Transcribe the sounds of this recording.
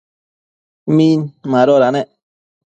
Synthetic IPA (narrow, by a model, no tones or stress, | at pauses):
minmaɾoɾaneʔ